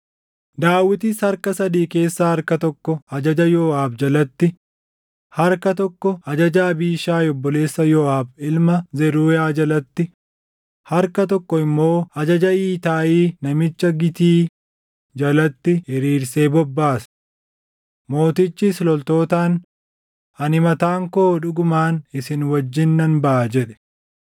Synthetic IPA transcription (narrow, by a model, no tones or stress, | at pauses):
d̪aːwːɪt̪ɪshɐɾkɐsɐd̪iːke̞ːsːaːhɐɾkɐt̪ɔkːɔɐd͡ʒɐd͡ʒɐjɔːaːbd͡ʒɐlɐt̪ːɪ | hɐɾkɐt̪ɔkːɔɐd͡ʒɐd͡ʒaːbiːʃaːjɔbːɔle̞ːsːɐjɔːʔaːbɪlmɐzɛɾuːjaːd͡ʒɐlɐt̪ːɪ | hɐɾkɐt̪ɔkːɔɪmːo̞ːɐd͡ʒɐd͡ʒɐiːt̪aːʔiːnɐmɪt͡ʃːɐɡɪt̪iː | d͡ʒɐlɐt̪ːɪɪɾiːɾse̞ːbɔbːaːs | mo̞ːt̪ɪt͡ʃːɪslɔlt̪o̞ːt̪aːn | ɐnɪmɐt̪aːŋkoːᶑʊɡʊmaːnɪsɪnwɐd͡ʒːɪnːɐnbɐʔːd͡ʒɛᶑɛ̥